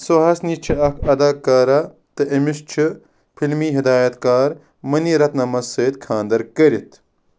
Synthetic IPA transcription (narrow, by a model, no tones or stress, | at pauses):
soɦɐsniːt͡ʃʰiɐkʰɐd̪aːkɐɾa | t̪ɨʔɐmist͡ʃʰi | pʰilmiːɦid̪aːjɐt̪kaːɾ | mɐniːɾɐt̪nɐmɐseːt̪kʰãːnd̪ɐɾkɐɾit̪ʰ